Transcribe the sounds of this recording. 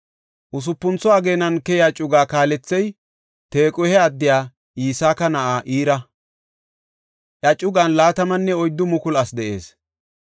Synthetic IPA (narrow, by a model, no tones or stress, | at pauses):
ʔʊs̬ʊpːʊnt͡sɔaːɡe̞ːnɐnkɛjaːt͡ʃʼʊɡaːkaːlɛt͡sːɛj | t̪e̞ːkʼɔhɛɐd̪ːɪjaː | ʔiːsaːkɐnɐʔaːʔiːɾɐ | ʔɐt͡ʃʼːʊɡanlaːt̪ɐmɐnːɛɔjd̪ːʊmʊkʊlɐsd̪ɛʔe̞ːs